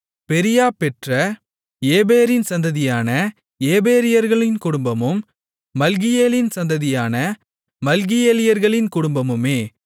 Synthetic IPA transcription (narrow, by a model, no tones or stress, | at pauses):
pɛɾɪjaːpɛʈrɐ | eːbeːɾɪnsɐnd̪ɐðɪjaːnɐ | eːbeːɾɪjɐɾɣɐɭɪnkʊɽʊmbɐmɯmː | ɐlɣɪjeːlɪnsɐnd̪ɐðɪjaːnɐ | mɐlɣɪjeːlɪjɐɾɣɐɭɪnkʊɽʊmbɐmɯmeː